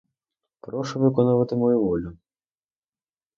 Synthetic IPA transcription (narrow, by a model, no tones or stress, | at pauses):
pɾɔʃʊʋɪkɔnɐʋɐt̪ɪmɔjuʋɔlʲʊ